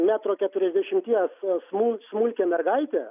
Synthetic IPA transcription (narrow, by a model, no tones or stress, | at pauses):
mʲæːt̪ɾoːkʲɛt̪ʊɾʲɛzʲd̪ʲæʃʲɪmʲt̪ʲiɛssmulʲsmuːlʲkʲɛːmʲɛrɡɐɪt̪ʲɛ